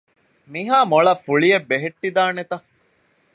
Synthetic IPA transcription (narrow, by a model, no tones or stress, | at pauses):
miɦaːmoɭɐfuɭiebːeɦeʈːid̪aːnet̪ɐ